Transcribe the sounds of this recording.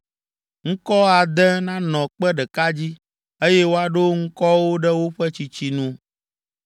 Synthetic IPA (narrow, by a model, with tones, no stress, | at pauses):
ŋ̩˦kɔ˦a˨d̪ɛ˦nã˦nɔ̃˨k͡pɛ˦ɖɛ˨ka˦d͡ʑi˦ | e˦jɛ˦wo˦a˨ɖo˦ŋ̩˦kɔ˦wo˦ɖɛ˦wo˦ɸɛ˦t͡ɕi˦t͡ɕi˦nũ˦